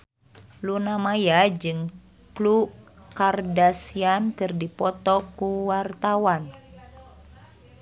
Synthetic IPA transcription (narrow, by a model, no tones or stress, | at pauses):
lunamajad͡ʒɨŋ | klukardasiankɨrdipɔt̪ɔkuwart̪awan